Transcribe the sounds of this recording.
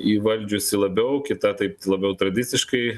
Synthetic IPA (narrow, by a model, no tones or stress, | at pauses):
iːʋɐlʲd͡ʒʲʊsʲɪlˠɐbʲɛʊkʲɪt̪ɐt̪ɐɪp̚lˠɐbʲɛʊt̪ɾɐd̪ʲɪtsʲɪʃkɐɪ